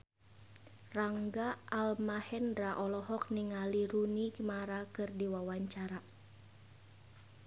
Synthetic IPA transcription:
raŋɡaʔːlmahɛndɾaʔɔlɔhɔk̚niŋaliɾunikmaɾakɨrdiwawaɲt͡ʃaɾa

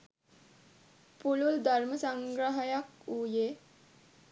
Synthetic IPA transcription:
pululd̪ʱaɾməsaŋɡɾəɦəjakuːjeː

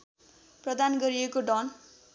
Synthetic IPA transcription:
prʌd̪anɡʌɾiekoɖʌn

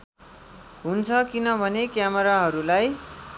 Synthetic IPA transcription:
ɦunt͡sʰʌkinʌbʱʌnekjamʌɾaɦʌɾulaj

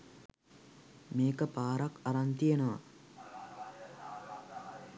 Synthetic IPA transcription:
meːkəpaːɾakaɾant̪ijenəʋa̰

